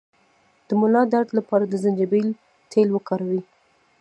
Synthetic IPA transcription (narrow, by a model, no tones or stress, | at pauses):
d̪̥əmʊlɑd̪aɾʈ̪lapɑɾad̪əzand͡ʒabil | t̪ʰelwəkɑɾawi